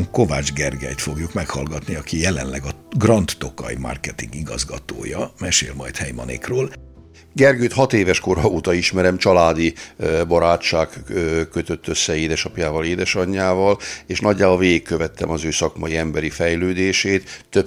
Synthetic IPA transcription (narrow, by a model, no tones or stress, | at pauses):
ŋko̞va̰ːd͡ʒɡɛrɡɛ̰jt̪fo̞ɡjukmɛkhɒlɡɒt̪niɒkijɛlɛnlɛɡɒɡrɒnt̪ːokɒ̰jima̰rkɛt̪iŋɡiɡɒzɡɒt̪o̰ːjɒmɛʃḛːlmɒjt̪hɛjmɒnḛːkroːl | ɡɛrɡøːt̪hɒt̪eːvɛʃko̞ɾɒuːt̪ɒiʃmɛɾɛmt͡ʃɒlaːd̪ibɒɾaːt͡ʃːaːkːkːø̞t̪ø̞t̪ːøsːɛeːd̪ɛʃɒpjaːvɒleːd̪ɛʃɒɲːaːvɒleːʃnɒɟːaːvoveːikːøvɛt̪ːɛmɒzøːsɒkmɒjiɛmbɛɾifɛjløːd̪eːʃeːt̪ːø